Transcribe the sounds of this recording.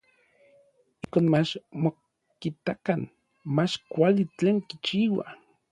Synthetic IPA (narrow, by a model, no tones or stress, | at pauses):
ihkoːnmat͡ʃmo | kit̪akan | mat͡ʃkʷalit͡ɬeːŋkit͡ʃiːwa̰